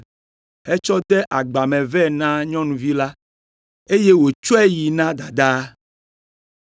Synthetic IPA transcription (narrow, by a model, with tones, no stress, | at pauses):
hɛ˦t͡ʃɔ˦d̪ɛ˦ʔa˨ɡ͡ba˨mɛ̃˨vɛ˦˨nã˦ɲɔ̃˦nũ˨vi˦la˦ | e˦je˦wo˨t͡ʃo˦ɛ˦ji˨nã˦d̪a˨d̪a˦